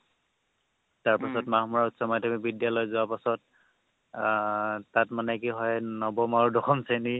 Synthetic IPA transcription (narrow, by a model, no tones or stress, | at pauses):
taɹpasɔtmahmuɹautsɔmadʱɔmik̚bidjalɔjzʊwapasɔt̚ | tatmanɛkiɦɔjnɔbɔmaɹudɔxʰɔmseni